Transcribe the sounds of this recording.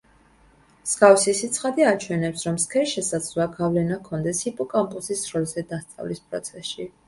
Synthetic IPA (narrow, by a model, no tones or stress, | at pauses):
skʼafsisit̪sʰχad̪iat͡ʃʰwɛnɛpsɾɔmskʰɛʃɛsad̪z̥luaɡavlɛnakʰɔnd̪ɛshipʼɔkʼampʼusisːɾɔlzɛd̪ast̪sʼa̰vlispʼɾɔ̰t̪sʰɛsʃi